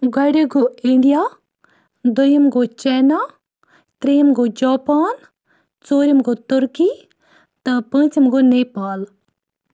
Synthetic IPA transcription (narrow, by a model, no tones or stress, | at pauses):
ɡɐɽeɡoiɳɖijaː | d̪ojɐmɡot͡ʃeːnaː | t̪ɾejimɡod͡ʒaːpaːn | t͡soːɾimɡoːt̪ʊɾki | t̪ɐpə̃ːt͡ʃimɡoneːpaːl